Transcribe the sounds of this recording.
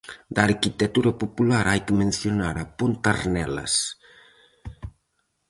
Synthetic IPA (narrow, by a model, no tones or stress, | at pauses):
d̪aɾkit̪et̪uɾɐpopulaɾajkɪmẽn̟θjonaɾapont̪aɾnɛlɐ̰s